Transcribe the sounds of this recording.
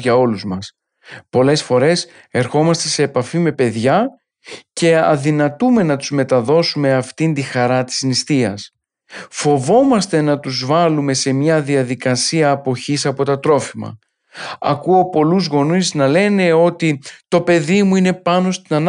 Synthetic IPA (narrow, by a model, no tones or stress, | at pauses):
ʝɐo̞luzmɐs | po̞le̞sfo̞ɾe̞s | e̞ɾxo̞mɐst̪e̞se̞ːpɐfime̞pe̞ðʝɐ | ce̞ɐ̰ðinɐt̪ume̞nɐt̪uzme̞t̪ɐðo̞sume̞ɐft̪ind̪ixɐɾɐt̪i̥znist̪iɐs | fo̞vo̞mɐst̪e̞nɐt̪uzvɐlume̞se̞mɲɐðiɐðikɐsiɐːpo̞çisɐpo̞t̪ɐt̪ɾo̞fimɐ̰ | ɐ̰kuo̞po̞luzɣo̞niznɐle̞ne̞o̞t̪it̪o̞pe̞ðimuine̞pɐno̞st̪inɐn